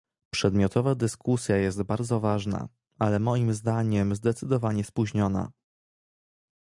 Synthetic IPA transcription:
pʂɛd̪mʲjɔt̪ɔvad̪ɘskusʲjajɛst̪baɾd̪zɔvaʐna̰ | alɛmɔjimzd̪aɲɛmzd̪ɛt̪sɘd̪ɔvaɲɛspuʑɲɔna̰

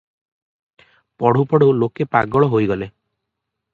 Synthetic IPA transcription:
pɔɽ̤upɔɽewlokepa̰ɡɔɭɔɦojɡɔle

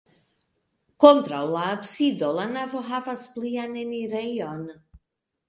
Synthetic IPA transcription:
ɡ̥ɔndrawlˠaəbsɪðɔlˠanavɔɦavasblˠianɛniɾejɔn

